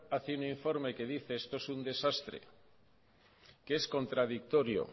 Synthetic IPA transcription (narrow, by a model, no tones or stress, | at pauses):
aθiuniɱfoɾmekeðiθeest̪oesund̪esast̪ɾḛ | keesko̞nt̪ɾað̞ik̚t̪oɾjo̰